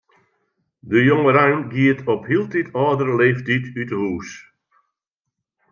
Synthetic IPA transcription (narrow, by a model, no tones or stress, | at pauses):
dəjɔŋəɾajnɡiətʰɔphilˠtitʰɑːdəɾəleːftitytəɦuːs